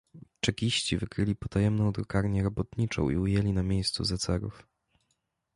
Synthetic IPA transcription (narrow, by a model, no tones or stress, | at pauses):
t͡ʂɛkʲiɕt͡ɕivɘkɾɘlʲipɔt̪ajɛmnɔ̃w̃d̪ɾɔkaɾɲɛɾɔbɔt̪ɲit͡ʂɔ̰̃w̃ʔḭujɛlʲinamʲjejst̪sṵzat̪sɛɾṵf